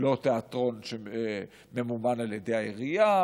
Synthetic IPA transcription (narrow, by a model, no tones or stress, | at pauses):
lot̪eat̪ʁo̞nʃe | memumanaljedejhaeʁija